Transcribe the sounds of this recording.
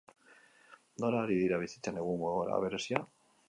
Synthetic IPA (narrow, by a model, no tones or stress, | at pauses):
noɾaɾiðiɾaβisi̥t͡ʃaneɣumoɣoɾa̰βeɾesja